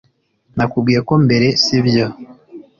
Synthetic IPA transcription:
nakubɡiːɾeko̞mbe̞ɾe̞siβjo

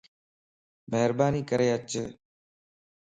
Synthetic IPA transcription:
meɦɾbaːniːkəɾeːət͡ʃə

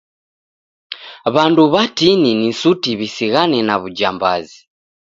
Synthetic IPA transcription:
βanduβatininisutiβisiɣanɛnaβud͡ʒamba̰zi

